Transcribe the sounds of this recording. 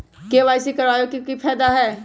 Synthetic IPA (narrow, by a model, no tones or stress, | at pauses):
keʋaːɪsikəɾʋaːjokikipʰɛːd̪aɦɛː